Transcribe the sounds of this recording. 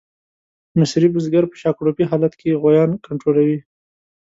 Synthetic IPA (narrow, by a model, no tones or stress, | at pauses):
mɪsɾibʊzɡaɾpə̥ʃɑkɽopiɦɑlat̪kʰeɣwajɑnkaɳʈɾolawi